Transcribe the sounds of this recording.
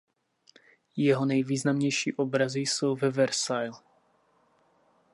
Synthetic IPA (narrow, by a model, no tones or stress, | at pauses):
jɛɦo̞nɛjviːznamɲɛjʃḭːʔobɾazɪjso̞wvɛvɛɾsajl